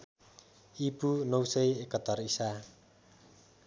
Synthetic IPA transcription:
ipunowsejekɔt̪ɔrisa

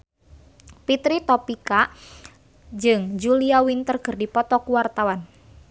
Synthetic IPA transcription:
pit̪ɾit̪ɔpika | d͡ʒɨŋd͡ʒuliawint̪ərkərdipɔt̪ɔkuwart̪awan

